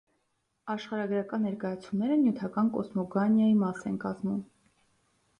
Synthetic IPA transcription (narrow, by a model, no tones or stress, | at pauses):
ɑʃχɑɾɑɡɾɑkɑnːɛɾkɑjɑt͡sʰumnɛɾənjut̪ʰɑkɑnkɔ̰smɔɡɑnjɑjimɑsɛnkɑzmum